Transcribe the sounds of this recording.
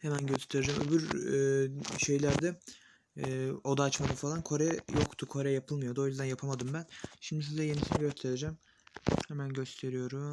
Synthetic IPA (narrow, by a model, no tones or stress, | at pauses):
hemænɟøst̪ʰe̞ɾed͡ʒæmø̰byɾ | ʃe̞jlʲæɾd̪ɛː | o̞d̪aːt͡ʃmad̪ɯfalˠankʰo̞ɾɛjokt̪ʰukʰo̞ɾɛjapʰɯlˠmɯjo̞d̪ojyzd̪ænjapʰamad̪ɯmbænʃimd̪is̬izɛje̞nisinɛɟøst̪ʰe̞ɾed͡ʒæm | hemænɟøst̪ʰe̞ɾijo̞ɾum